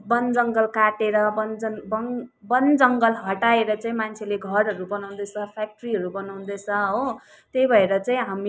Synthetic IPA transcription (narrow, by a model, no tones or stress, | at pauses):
bʌnd͡zʌŋɡʌlkaʈeɾʌbʌnd͡zʌnbʌŋbʌnd͡zʌŋɡʌlɦʌʈaeɾʌt͡saĩmant͡sʰeleɡʱʌɾɦʌɾubʌnaw̃nd̪ʌt͡sʰʌpʰak̚ʈriɦʌɾubʌnaw̃nd̪ʌt͡sʰʌɦo | t̪ejbʱʌeɾʌt͡saĩɦami